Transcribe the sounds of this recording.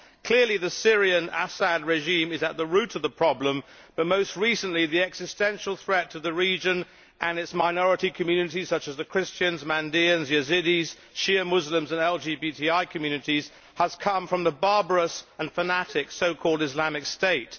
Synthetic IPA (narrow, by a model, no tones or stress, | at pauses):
kʰl̥ɪɹliðɨsɪɹiɨ̃næ̰səd̚ɹɛʒĩmɨzɨt̪̚ðəɹʉɾʌvðəpʰɹ̥ɑblə̃m | b̥ʌt̚moʊst̚ɹisɨ̃nʔliðiɛksɨstɛ̃nʃl̩ˠθɹɛtʰəðɨɹid͡ʒɨ̃n | ʔɨ̃nɨtsmaɪnɔɹɨɾikʰɨmjʉnɨɾi̥sʌt͡ʃɨzðɨkʰɹ̥ɪst͡ʃɨ̃nzmæ̃ndiɨ̃nzjɨzɪɾiz̥ | ʃɪəmʊzlə̃mzə̃nɛlˠd͡ʒibitʰiaɪkʰɨmjʉnɨɾiz̥ | əz̥kʰʌ̃ɱfɹʌ̃mðəbɑɹbə˞əsə̃nfənæɾɪksoʊkʰɔlˠdɨzlæmɨksteɪt